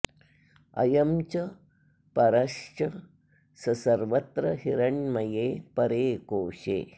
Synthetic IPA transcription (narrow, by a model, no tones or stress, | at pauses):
ɐ̰jɐmt͡ʃɐ | pɐɾɐʂt͡ʃɐ | sɐsɐɾʋɐt̪ɾɐhiɾɐɳmɐjeːpɐɾeːkoːʂḛː